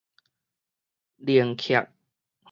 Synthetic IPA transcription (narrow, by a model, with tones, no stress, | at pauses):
li˨˩əŋkʰja̰˨k̚ | h